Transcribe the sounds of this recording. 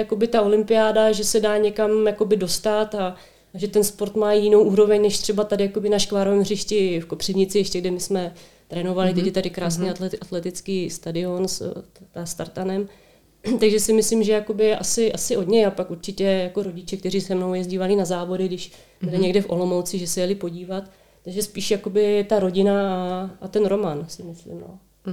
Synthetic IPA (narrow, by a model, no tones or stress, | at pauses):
jako̞bɪt̪ao̞lɪmpɪjaːdaʒɛsɛdaːɲɛkamjako̞bɪdo̞st̪at̪a | ʒɛt̪ɛnspo̞ɾt̪maːjɪno̞wʔuːɾo̞vɛɲnɛʃt̪r̝̥ɛbat̪adɪjako̞bɪnaʃkvaːɾovɛːmɦrɪʃcɪfko̞pr̝̥ɪvɲɪt͡sɪjɛʃcɛɡdɪmɪsmɛ | t̪ɾɛːno̞valɪt̪ɛct̪adɪkɾaːsniːaʔat̪lɛt̪ɪt͡skiːst̪adɪo̞nst̪ast̪aɾt̪anɛm | t̪aɡʒɛsɪmɪslɪmʒɛjako̞bɪʔasɪʔasɪʔo̞d̪ɲɛjapakuɾt͡ʃɪcɛjako̞ɾo̞ɟɪt͡ʃɛk̚t̪ɛriːsɛmnowjɛzɟiːvalɪnazaːvo̞dɪɡdɪʃ | bɪlɪɲɛɡdɛfʔo̞lo̞mowt͡sɪʒɛsɛjɛlɪpoɟiːvat̪ː | aɡʒɛspiːʃjako̞bɪt̪aɾo̞ɟɪnaaʔat̪ɛnɾo̞mansɪmɪslɪ̰mno̰